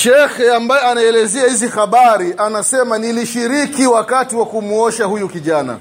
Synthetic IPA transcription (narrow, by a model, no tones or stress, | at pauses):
ʃɛxɛambajɛanaɛlɛzɛahizixaɓaɾianasɛmaniliʃiɾikiwakatiwakumuɔʃahujukiʄana̰